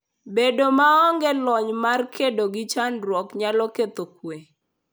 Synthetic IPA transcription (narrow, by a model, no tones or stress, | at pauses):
bedomaɔŋɡɛlɔɲmarkʰedoɡɪt͡ʃanɾwɔkɲalɔket̪okwe